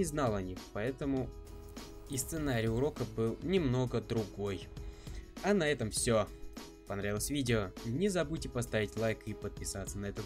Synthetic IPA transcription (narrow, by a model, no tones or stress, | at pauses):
ɪznalˠɐnʲixpɐɛt̪əmʊ | ist̪sɨnaɾʲɪjʊɾo̞kəbɨlˠnʲɪmno̞ɡəd̪ɾʊɡo̞j | ɐnɐɛt̪əmfsʲo | pɐnɾavʲɪlˠəsʲvʲidʲɪonʲɪzɐbutʲɪpɐs̬t̪avʲɪtʲlˠajkipət̪̚pʲɪsat̪sənɐɛt̪ət̪